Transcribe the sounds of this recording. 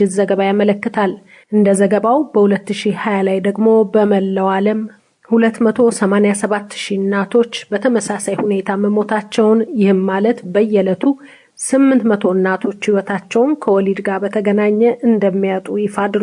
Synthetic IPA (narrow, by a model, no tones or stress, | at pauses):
ɪzəɡəβajamələkːɨt̪ʰal | ʔɨnd̪əzəɡəβawbəhulət̪ːɨʃihajalajd̪əɡmo̞bəməlːəwaləm | hulət̪ːmət̪ʰo̞səmanejasəβat̪ːʃinat̪ʰo̞t͡ʃːbət̪ʰəməsasajhune̞t̪ʰaməmo̞t̪ʰat͡ʃːɛwnjɪhɨmːalət̪bəjːɛlət̪ʰu | sɨmːɨnt̪mət̪ʰo̞nːat̪ʰo̞t͡ʃːhiwɔt̪ʰat͡ʃːɛwnkʰəwɔlid̪ɡabət̪ʰəɡənaɲːɛʔɨnd̪əmːijat̪ʼujɪfad̪ɾu